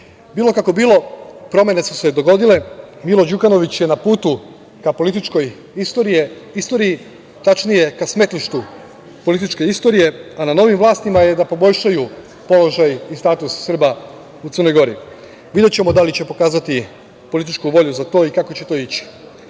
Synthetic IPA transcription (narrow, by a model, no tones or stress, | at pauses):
biːlˠo̞kako̞biːlo̞pɾo̞mje̞nesu̥se̞d̪o̞ɡo̞d̪ile̞milo̞d͡ʒukano̞ʋit͡ɕje̞napuːt̪u | kapo̞lit̪it͡ʃko̞j | ist̪o̞ːɾije̞ist̪o̞ːɾii | t̪at͡ʃnije̞kasme̞t̪liʃt̪u | po̞lit̪it͡ʃke̞ist̪o̞ɾije̞anano̞ʋimʋlˠaːst̪imaje̞d̪apo̞bo̞ʎʲʃaju | po̞lo̞ʒajist̪aːt̪usːr̩ba | ut̪ərno̞jɡo̞ɾi | ʋid̪et͡ɕe̞mo̞d̪alit͡ɕe̞po̞kaːzat̪i | po̞lit̪̬it͡ʃkuʋo̞ʎuzat̪o̞ːikako̞t͡ɕe̞t̪o̞ːit͡ɕi̥